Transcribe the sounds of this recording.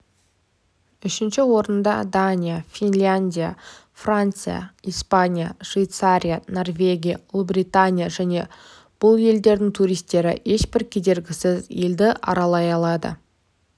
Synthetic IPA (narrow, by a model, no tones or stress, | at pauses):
ʏʃɪnʃɪwo̞ɾənd̪ɑ̰d̪anʲijafʲinlʲanʲd̪ʲija | frant̪sɨja̰ijspanʲija̰ʃvijt̪saɾʲijano̞rvʲe̞ɡʲija̰lˠbrijt̪anʲijaʒæne̞ | b̥ʊlˠje̞ld̪e̞ɾd̪ɪŋt̪ʰuɾijst̪e̞ɾɪ̰ʔe̞ʃbɪɾkʲʰe̞d̪e̞ɾɡʲɪsɪzeld̪ɪʔɑ̰ɾɑlˠɑjɑlˠɑd̪ə̰